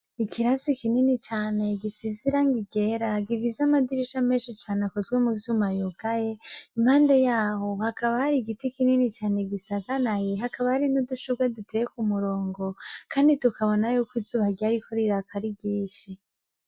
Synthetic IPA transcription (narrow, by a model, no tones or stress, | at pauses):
ikʰiɾazikininit͡ʃaːne̞ɡisiziɾaŋɡiɡe̞ɾaɡivizamadiɾiʃameːnʃit͡ʃaːneakozɡwemuvjumajuɡajeim̥haːndejaːho̞hakaβahaɾiɡitikininit͡ʃaːne̞ɡisaɡanajeɦakaβahaɾinuduʃuɡwadutʰejekumuɾo̞ːŋɡo̞kaːnditukʰaβo̞najukwizuβaɡaɾikʰo̞ɾiɾakaɾiɡiːʃi